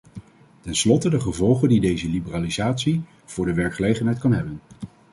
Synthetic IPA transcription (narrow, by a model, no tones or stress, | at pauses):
tɛnslɔtədəχəvɔlˠχəndidejzəlibəraːlizaːtsi | v̥ʊːɹdəʋɛɹkχəlejχənɦɛjtkɑnɦɛbən